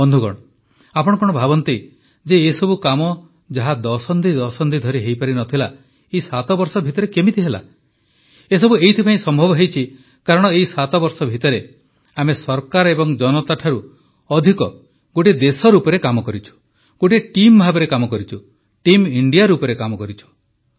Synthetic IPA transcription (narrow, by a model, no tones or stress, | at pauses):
bɔnd̪ʱuɡɔ̰ɽ̃ɔ | apɔɽ̃ɔkɔɽ̃ɔbʱabɔnt̪i | d͡ʒeːsɔbukamɔ | d͡ʒaɦad̪ɔsɔnd̪ʱid̪ɔsɔnd̪ʱid̪ʱɔɾiɦejpaɾinɔt̪ʰila | eisat̪ɔbɔɾsɔbʱit̪ɔɾekemit̪ʰiɦela̰ | es̬ɔbuejt̪ʰipaĩsɔmbʱɔbɔɦejt͡ʃʰi | kaɾɔɽ̃ɔeisat̪ɔbɔɾsɔbʱit̪ɔɾe | amesɔɾkaɾɔebɔŋd͡ʒɔnɔt̪aʈʰaɾu | ɔd̪ʱikɔ | ɡoʈid̪esɔɾupɔɾekamɔkɔɾit͡ʃʰu̥ | ɡ̥oʈiʈimbʱabeɾekamɔkɔɾit͡ʃʰu | ʈimiɳɖijaɾupɔɾekamɔkɔɾit͡ʃʰu̥